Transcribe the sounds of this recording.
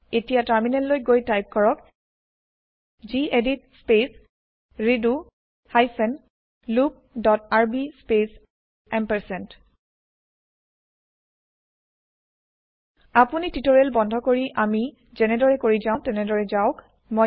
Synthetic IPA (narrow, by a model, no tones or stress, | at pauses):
etijataɹminɛllːojɡojtajp̚kɔɹɔk | zieditspes | ɹidu | hajsɛn | lup̚dɔtaɹbispes | ɛmpɛɹsɛnt | apunititoɹelbɔndʱɔkoɹiʔami | zɛnɛdɔɹɛkoɹizaʊ̃tɛnɛdɔɹɛzaʊk | mo